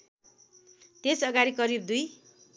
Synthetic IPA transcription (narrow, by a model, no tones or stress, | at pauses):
t̪esʌɡaɾikʌɾib̚d̪uj